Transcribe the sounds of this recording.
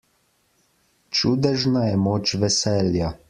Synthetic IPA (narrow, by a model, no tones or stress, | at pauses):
t͡ʃud̪ɛʒnajɛmoːt͡ʃʋɛsɛːlja